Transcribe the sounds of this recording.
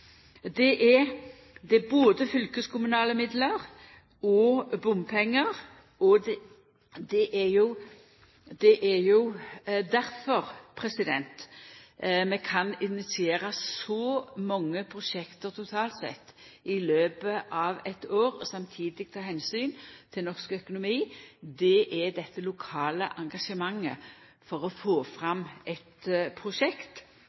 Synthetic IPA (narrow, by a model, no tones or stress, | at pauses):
d̪ɛʔɛ | d̪ɛæboːd̪əfʏlkəskʊmʉnɑːləmɪd̪ləɾ | ɔbʊmpʰɛŋːəɾ | ɔ | d̪ɛʔæjʊ | d̪ɛʔæɾjʊd̪æɾfɔɾpʰɾɛsɪd̪ɛnt̪ | mɛkʰɑnɪnɪsɪeːɾəsɔmɔŋːəpʰʁʊʂɛkt̪əʁt̪ʰʊt̪ʰɑːlt̪sɛ̰t̪ːɪløːbəʔɑʋɛt̪oːɾɔsɑmt̪ʰiːd̪ɪɡ̥̚t̪ʰɑːɦɛnsyːnt̪ʰɪlnɔʁskœkʊnʊmiːd̪ɛʔɛd̪ɛt̪ːəlʊkʰɑːləʔɑŋɡɑʂəmɑŋːə̰ | fɔɾɔfoːfʁɑmʔɛt̪pʰɾʊʂɛkt̪